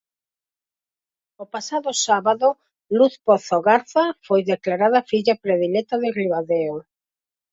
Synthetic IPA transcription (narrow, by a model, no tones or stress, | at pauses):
opasaðʊsaβaðo | luθpoθoɣaɾθafojðeklaɾað̞afiʎapɾeðilɛt̪aðɪriβaðeo